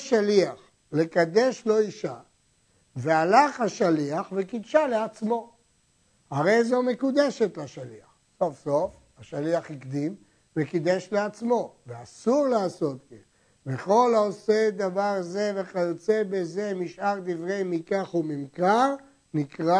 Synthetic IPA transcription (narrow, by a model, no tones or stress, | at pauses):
ʃaliaχ | le̞kad̪e̞ʃlo̞iʃa | vealaχhaʃaliaχvekid̪ʃaleat͡smo̞ | haʁe̞jzo̞me̞kud̪eʃet̪laʃaliaχ | so̞fso̞f | aʃaliaχikd̪im | vekid̪eʃleat͡smo̞veasuʁlaːso̞t̪ken | veχo̞laose̞d̪avaʁze̞veχajot͡se̞beze̞miʃaʁd̪ivʁe̞jmikaχumimkaʁ | nikʁa